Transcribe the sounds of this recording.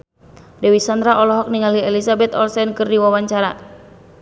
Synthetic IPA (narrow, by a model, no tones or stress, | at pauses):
dɛwisand̪ɾaʔɔlɔɦɔk̚niŋaliɛlisabɛt̪ɔlsɛnkɨrdiwawaɲt͡ʃaɾa